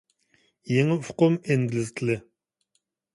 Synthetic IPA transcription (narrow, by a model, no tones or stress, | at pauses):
jeŋɪfʊqʊmeŋɡʲilɪzk̪ʲʰilɪ